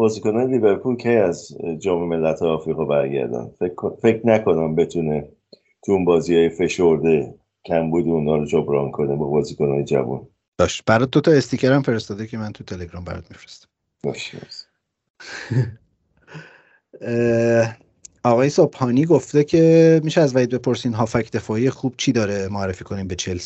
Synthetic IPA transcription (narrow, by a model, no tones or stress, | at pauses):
b̥ɒːziːkonɒːjeliːbeɾpʰulcʰejæzd͡ʒɒːmeme̞lːæt̪ʰhɒːjeɒːfɾiɣɒːbæɾɟæ̰ɾd̪æ̰nd̪̥fefe̞cʰnækʰo̞næmbe̞t̪ʰune | t̪ʰuunbɒːziːhɒːjefe̞ʃoɾd̪e | cʰæmbuːd̪eunɒːɾod͡ʒobɾɒːnkʰonebɒːbɒːziːkonɒːjed͡ʒæ̰vṵn | d̪̥ɒːʃt̪b̥æɾɒt̪̚d̪ot̪ʰɒest̪icʰeɾæmfeɾest̪ɒːd̪ecʰe̞mænt̪ʰut̪ʰeleɡɾɒːmbæ̰ɾɒ̰t̪̚mifɾe̥st̪æ̥m | bɒ̰ʃinɛ̰s | ɒɣɒːjesobhɒːniːɡoft̪e̞cʰe̞miʃɛæzvæid̪̚bepʰo̞ɾsinɦɒːfæcʰd̪e̞fɒːijexub̥̚t͡ʃʰiːd̪ɒːɾemoæɾːefiːkʰo̞niːmbet͡ʃʰels